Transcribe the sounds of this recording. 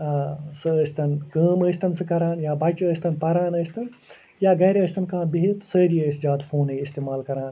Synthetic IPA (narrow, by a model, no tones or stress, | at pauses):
sɨəːsʲt̪ɐnkəːməːsʲt̪ɐnsɨkɐɾaːnjaːbɐt͡ʃəːsʲt̪ɐnpɐɾaːnəːsʲt̪ɐn | jaːɡɐjɾʲəːsʲt̪ɐnkãːbiɦit̪səːɾiəːsʲd͡ʒaːd̪fʰoːnɐjist̪eːmaːlkɐɾaːn